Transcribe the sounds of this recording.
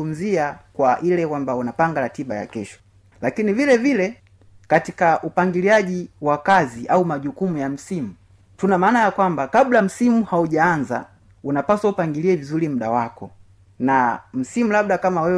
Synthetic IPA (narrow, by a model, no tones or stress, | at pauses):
um̩ziakwaʔilɛkwambaunapaŋɡaɾatiɓaja̰kɛʃɔ̥ | lakinivilɛvilɛ | katikaʔupaŋɡiliaʄiwakaziʔaumaʄukumujam̩simu | tunamaːnajakwambakablam̩simuhauʄaanza̰ | unapaswaupaŋɡiliɛvizulim̩ɗawakɔ̰ | nam̩simulab̚ɗakamawɛ